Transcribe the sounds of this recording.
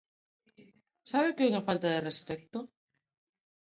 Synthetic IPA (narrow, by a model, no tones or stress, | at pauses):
saβɪkɪuŋafalt̪aðerespɛk̚t̪o